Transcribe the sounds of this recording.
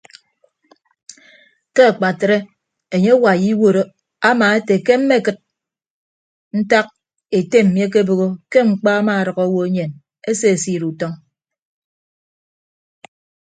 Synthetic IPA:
ke˦a˨k͡pa˨tɾe˦ | e˨ɲe˦wa˨ji˦wo˦ɾo˦ | a˦maː˨e˦te˨ke˦m̩˦me˦˨kɨ˨t̚ | n̩˦ta˦k̚ | e˨te˦m̩˨mje˦k̬e˦bo˨ɣo˦ke˦ŋ͡m̩˨k͡pa˦a˦ma˨a˨ɾɔ˨ɣɔ˦wo˦e˦ɲe˨n | e˦se˦˨siː˦ɾu˨tɔ˦ŋ

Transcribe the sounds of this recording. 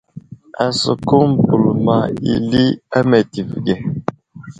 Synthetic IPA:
a̰˨sə̰˨ku˦m̩˨pu˨lma˨ḭ˨li˦a˦mɛ˨ti˨fɡɛ˨

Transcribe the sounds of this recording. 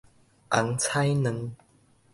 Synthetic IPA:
ʔa˨˩˦ŋt͡sʰa˥˦jnə˨˧˦ŋ

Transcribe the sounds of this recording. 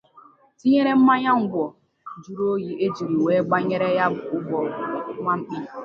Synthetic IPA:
ti˦ɲe˦ɾe˦m̩˦ma˦ɲa˦ŋ̩˦ɡʷɔ˨ | d͡ʒu˦ɾo˦ji˦ʔe˦d͡ʒi˨ɾi˨weː˨˦ɡ͡ba˦ɲe˦ɾe˦ja˦bʊ˨ʊ˦bɔ˨˦ma˦m̩˦k͡pi˦˨

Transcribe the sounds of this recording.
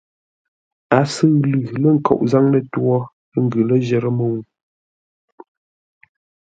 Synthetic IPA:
a˨sə˦˨ɣlʉ˨lə˦˨ŋ̩˦˨kɔ̰˨ʔza˦ŋlə˦tu˦ɔ˦ | ə˦ŋ̩˦ɡʉ˨lə˦ʒɛ˨ɾə˦mə˨u˨

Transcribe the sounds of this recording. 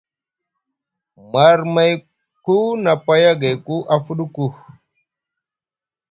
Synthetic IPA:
ma˨ɾma˦˨j | ku˦na˨pa˦ja˦ɡa˨jku˦ʔa˦fu˦ɗu˦ku˦˨h

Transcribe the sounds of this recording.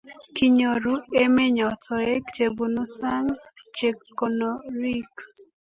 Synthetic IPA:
ki˨ɲo˨ɾu˦e˦me˦ɲɔ˨tɔ˨e˦kt͡ʃe˨bu˨no˦sa˦ŋt͡ʃe˨kːo˨no˨ɾi˦k

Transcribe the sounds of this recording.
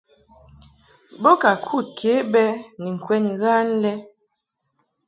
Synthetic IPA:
bɔ˦ka˨kʰu˦˨t̚kʰe˨˦bɛ˦ni˨ŋ̩˨kwɛ˦ni˨ɣa˦n˦lɛ˦

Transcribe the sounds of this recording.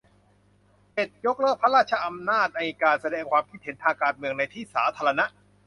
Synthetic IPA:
pe˨˩t̪̚jo˦˥k̚ɾɔː˥˩k̚pʰa˦˥ɾaː˥˩t͡ɕʰa˦˧ʔa˧mnaː˥˩t̪̚na˧jkaː˧sa˧dɛː˧ŋkʰwaː˧mkʰi˦˥t̪̚he˩˦nt̪ʰaː˧ŋkaː˧nmɯ˧əŋna˧jt̪ʰiː˥˩sa̰ː˩˦t̪ʰaː˧ɾa˧na˦˥ʔ

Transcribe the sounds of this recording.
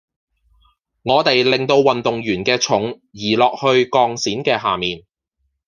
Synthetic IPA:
ŋɔː˨˧t̪e˨jlɪ˨ŋt̪o˧wːɐ˨nt̪ʊ˨ŋjyː˨˩nkɛː˧t͡ʃʰʊ˨˥ŋ | jiː˨˩lɔː˨k̚hɵ˧ɥkɔː˧ŋsiː˨˥nkɛː˧ɦaː˨miː˨n

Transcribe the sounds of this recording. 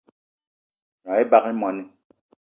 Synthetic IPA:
ɲɔ˨ɛ˦ba˦ki˦mɔ˨ni˦

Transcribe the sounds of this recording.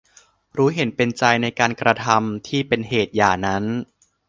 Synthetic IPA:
ɾuː˦˥ɦe˩˦npe˧nt͡ɕa˧jna˧jkaː˧nkɾa˧t̪ʰa˧mt̪ʰiː˥˩pe˧nheː˨˩t̪̚jaː˨˩na˦˥n

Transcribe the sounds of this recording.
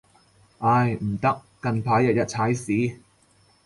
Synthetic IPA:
ʔaː˧jm̩˨˩t̪ɐ˥k̚ːɐ˧ŋpʰaː˨˥jːɐ˨t̚jɐ˥t̚t͡sʰaː˨˥jsiː˨˥

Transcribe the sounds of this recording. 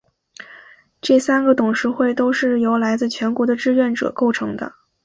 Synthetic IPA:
ʈ͡ʂɤ˥˩sa˥nɡə˨t̪ʊ˨˩ŋʂɻ̩˧˥xwe˥˩ɪt̪o˥ʊʂɻ̩˥˩jo˧˥ʊla˧˥ɪt͡sɹ̩˥˩t͡ɕʰɥɛ˧˥nkwɔ˧˥d̪ə˧ʈ͡ʂɻ̩˥˧ɥɛ˥˩nʈ͡ʂɤ̰˨˩ko˥˩ʊʈ͡ʂʰɤ˧˥ŋd̪ə̰˧

